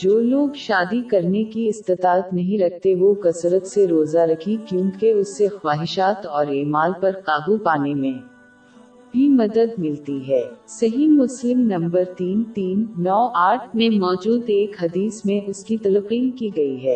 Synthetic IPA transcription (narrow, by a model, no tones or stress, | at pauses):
d͡ʒoːloːɡʃaːd̪ikɐɾnekiɪst̪ɪt̪aːət̪nɐɦĩɾɐk̚t̪eʋokɐsɾət̪seɾoːzaɾɐkʰikjõːŋkeʊsːexwaːɦɪʃaːt̪ɔːɾeːmaːlpɐɾqaːɡupaːnemẽ | bʱimɐd̪əd̪mɪlt̪iɦɛːsɐɦimːʊslɪmnɐ̃mbəɾt̪iːnt̪iːnːɔːʔaːʈʰmẽmɔːd͡ʒuːd̪eːkɦɐd̪iːsmẽʔʊskit̪ɐləqiːnkiɡɐiɦɛː